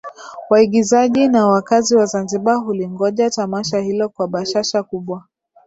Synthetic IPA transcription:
waiɠizaʄinawakaziwazanziɓaɦuliŋɡɔʄatamaʃahilɔkwaɓaʃaʃakuɓwa

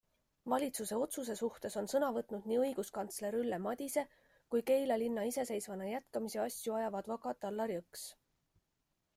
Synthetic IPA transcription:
vɑlʲit̪suse̞o̞t̪sus̬e̞suht̪e̞so̞nsɤnɑvɤt̪ˑnud̪̥̚niːɤjɡ̥uskɑnt̪sle̞ɾylːemɑd̪̥ʲise̞ | kujke̞jlɑlinːɑise̞se̞jsvɑnɑjæt̪kɑmiseɑsʲjuɑjɑvɑd̪̥vɑkɑt̪ɑlːɑɾiɤks

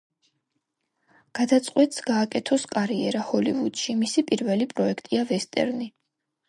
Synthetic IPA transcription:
ɡ̥ad̪at̪sʼqʼwɛt̪ʼsɡaːkʼɛt̪ʰɔskʼaɾiɛɾahɔlivud̪̥ʃimisipʼiɾvɛlipʼɾɔɛkʰt̪ʼiavɛst̪ʼɛ̰ɾni

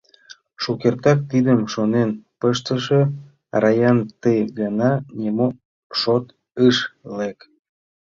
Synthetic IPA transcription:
ʃukert̪ɑk̚t̪id̪əmʃonenpəʃt̪əʃĕ | rɑjɑnt̪ejɡənɑnʲemo | ʃot̪ | ɯʃlek

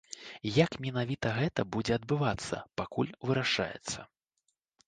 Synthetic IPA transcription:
jakmʲinavʲit̪ɐɣɛt̪ɐbud͡zʲɛɐd̪̚bɨvat̪sːɐ̰pakulʲvɨɾaʂa̰jɛ̰t̪sːɐ̰

